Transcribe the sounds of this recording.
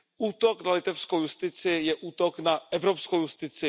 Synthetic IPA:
ʔuːt̪oknalɪt̪ɛfskowjust̪ɪt͡sɪjɛʔuːt̪oknaʔɛvɾopskowjust̪ɪt͡sɪ

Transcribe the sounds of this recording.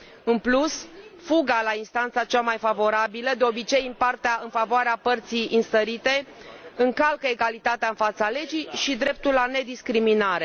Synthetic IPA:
ɨnplusfuɡalainst̪ant̪sat͡ʃamajfavo̞ɾabiləd̪eo̞bit͡ʃe̞jɨmpart̪eaɨnfavoaɾeapərt̪sijɨnst̪əɾit̪e̞ɨŋkalkəe̞ɡalit̪at̪eaɨnfat̪sale̞d͡ʒijʃid̪ɾe̞p̚t̪ulːane̞d̪iskɾiminaɾe̞

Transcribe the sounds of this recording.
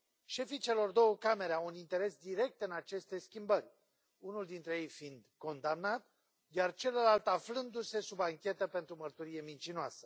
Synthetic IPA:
ʃe̞fit͡ʃe̞lo̞rd̪o̞wəkame̞ɾeawunint̪e̞ɾe̞sd̪iɾe̞k̚t̪ɨnat͡ʃe̞st̪e̞skʲimbərʲ | unuld̪int̪ɾe̞je̞jfind̪ko̞nd̪amnat̪ | d̪eart͡ʃe̞ləlalt̪aflɨnd̪use̞subaŋkʲe̞t̪əpe̞nt̪ɾumərt̪uɾije̞mint͡ʃinoasə̥

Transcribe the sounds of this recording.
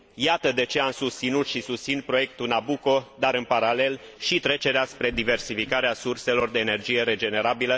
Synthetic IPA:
jat̪əd̪e̞t͡ʃe̞amsust̪sinut̪ʃisust̪sin̚pɾo̞je̞k̚t̪unabuko̞d̪aɾɨnpaɾale̞lʃit̪ɾe̞t͡ʃe̞ɾeaspɾe̞d̪ive̞rsifikaɾeasurse̞lo̞rd̪e̞ːne̞rd͡ʒije̞ɾe̞d͡ʒe̞ne̞ɾabilə

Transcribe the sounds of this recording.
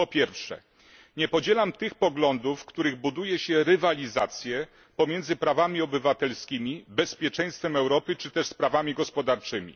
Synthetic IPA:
pɔpʲjɛɾfʂɛ̰ | ɲɛpɔd͡ʑɛlamt̪ɘxpɔɡlɔnd̪ufkt̪uɾɘɣbud̪ujɛɕɛɾɘvalʲizat̪sʲjɛ | pɔmʲjɛnd̪zɘpɾavamʲiɔbɘvat̪ɛlskʲimʲibɛspʲjɛt͡ʂɛ̃j̃st̪fɛmɛwɾɔpɘt͡ʂɘt̪ɛʂspɾavamʲiɡɔspɔd̪aɾt͡ʂɘmʲḭ

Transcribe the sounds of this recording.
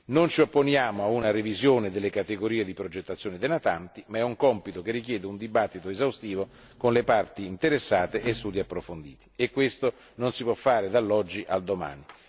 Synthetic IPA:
nont͡ʃiopːonjaːmoaunaɾevizjoːnɪd̪elːekat̪eɡoɾiːed̪ipɾod͡ʒet̪ːat̪sjoːnɪd̪enat̪ant̪imaɛuŋkɔmpit̪okerːikjɛːd̪eund̪ibat̪ːit̪oezawst̪iːvo | konlepart̪iːnt̪eɾesːaːt̪eʔest̪uːd̪iapːɾofond̪ḭːt̪i̥ekːwest̪o | nonsipwɔfːaːɾed̪alːɔd͡ʒːiʔald̪oma̰ːni

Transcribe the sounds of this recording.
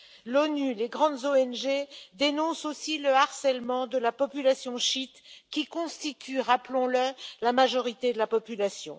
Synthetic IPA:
lɔnyleɡʁɑ̃d̪zoɛnʒed̪enɔ̃sosiləaʁsɛlmɑ̃d̪əlapɔpylasjɔ̃ʃit̪kʲikɔ̃st̪it̪ʰyʁaplɔ̃ləlamaʒɔʁit̪ed̪əlapɔpylasjɔ̰̃

